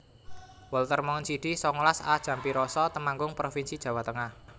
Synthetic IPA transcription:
wɔlt̪ərmɔŋənsiɖ̥isɔŋlasa̰d̥ʒ̥ä̤mpiɾɔsɔt̪əmaŋɡʊŋpɾofinsid̥ʒ̥ä̤wat̪əŋah

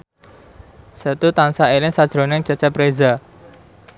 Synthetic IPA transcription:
sət̪ut̪ansaelɪŋsad̥ʒ̥ɾo̤nɪŋt͡ʃət͡ʃɛpɾeza

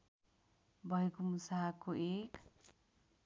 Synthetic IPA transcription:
bʱʌjkumusakoek

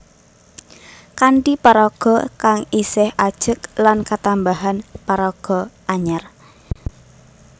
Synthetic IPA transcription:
kaɳʈipaɾɔɡ̥ɔ̤kaŋisɪhad̥ʒ̥əklankat̪ambaɦanpaɾɔɡ̥ɔ̤ | aɲar

